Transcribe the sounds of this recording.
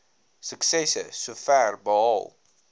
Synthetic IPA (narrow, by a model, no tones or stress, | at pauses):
səksɛsəsofærbəɑ̰lˠ